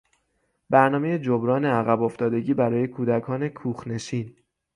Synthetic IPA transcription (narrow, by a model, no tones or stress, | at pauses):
bæɾnɒːme̞jed͡ʒobɾɒːneæɣæbo̞ft̪ɒːd̪e̞ɟiːbæɾɒːje̞kʰuːd̪ækʰɒːne̞kʰuːxne̞siːn